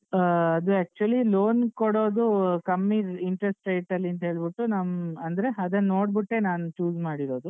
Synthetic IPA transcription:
ɐd̪uɛːk̚t͡ʃuɐliloːnkoɽo̞ːd̪ukɐmːiiɳʈɾesʈɾejʈɐlːiɐnt̪̬ɐɦe̞ːɭbiʈːunɐmɐnd̪ɐɾe̞ɐd̪ɐnːo̞ːɽbiʈːe̞naːnut͡ʃuːd͡ʒmaːɽiɾo̞ːd̪u

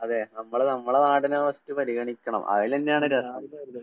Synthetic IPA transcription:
ɐðe̞ːnɐmːɐɭnɐmːɐɭenaːɽinɐʋɐstːupɐɾiɣɐɳikʲːɐɳɐ̰mɐ̰ʋilenːejaːɳɨɾɐsɐɐ

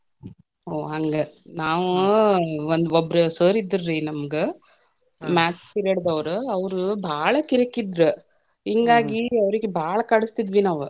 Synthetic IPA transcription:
oːɐŋɡenaːʋ | ɐnd̪ɔbɾɯseːɾid̪ːɯɾːiːnɐmɐkɯ | maːt͡ʃpɪɾɐɽd̪ɐʋɐɾɯɐʋɐɾɯbʱaːɭɐkɪɾɐkːid̪ɾɯ | iŋɡaːɡiɐʋɐɾɯkːɯbʱaːɭɐkɐɽɯst̪id̪ʋinaːʋɯ

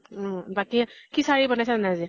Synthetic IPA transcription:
ɔbakikisaɹibɔnajsɛnazi

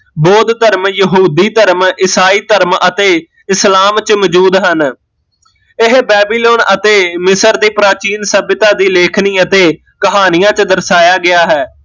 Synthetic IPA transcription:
boːd̪t̪əɾmjəɦuːd̪iːt̪əɾmɪsaːiːt̪əɾmət̪eː | ɪslaːmt͡ʃməd͡ʒuːd̪ɦən | ɪɦbɛːbiːloːnət̪eːmɪsəɾd̪iːpɾaːt͡ʃiːnsəbɪt̪ãːd̪iːleːkʰniːət̪eː | kəɦaːnɪjãːt͡ʃəd̪əɾsaːjaːɡɪaːɦɛː

